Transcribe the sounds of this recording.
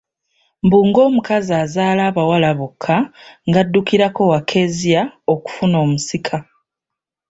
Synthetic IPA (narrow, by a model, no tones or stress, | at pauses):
mbuːŋɡo̞ːmukazaːzaːlaːβawalaβokʰːaŋɡadːukiɾako̞wakʰe̞zijaoku̥funo̞ːmusikʰa